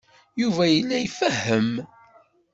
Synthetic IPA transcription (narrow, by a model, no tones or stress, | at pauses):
juvæjəlːæjfəhːəm